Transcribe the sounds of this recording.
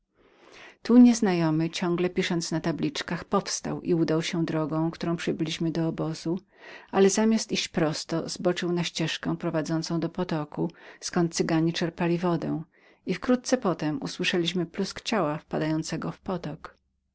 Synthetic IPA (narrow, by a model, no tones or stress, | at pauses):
t̪uɲɛznajɔmɘt͡ɕɔ̃ŋɡlɛpʲiʂɔnt̪snat̪ablʲit͡ʂkaxpɔfst̪a̰wʔḭud̪awɕɛd̪ɾɔɡɔ̃w̃kt̪uɾɔ̃w̃pʂɘbɘlʲiɕmɘd̪ɔːbɔzu | alɛzamʲast̪iɕt͡ɕpɾɔst̪ɔ̰z̥bɔt͡ʂɘwnaɕt͡ɕɛʂkɛ̃w̃pɾɔvad̪zɔnt̪sɔ̃w̃d̪ɔpɔt̪ɔkuskɔnt̪̚sɘɡaɲit͡ʂɛɾpalʲivɔd̪ɛ̰̃w̃ | ifkɾut̪̚sɛpɔt̪ɛmṵswɘʂɛlʲiɕmɘpluskt͡ɕawafpad̪ajɔnt̪sɛɡɔfpɔt̪ɔk